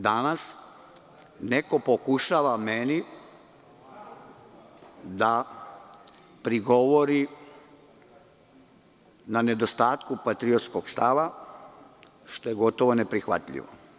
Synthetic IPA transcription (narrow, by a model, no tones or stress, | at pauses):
d̪anas | neko̞pokuʃaːʋameni | d̪a | pɾiɡo̞ʋoɾi | nane̞d̪o̞st̪aːt̪kupat̪ɾiot̪sko̞ɡst̪aʋa | ʃt̪o̞je̞ɡo̞t̪o̞ʋo̞ne̞pɾixʋa̰t̪ʎḭʋo̰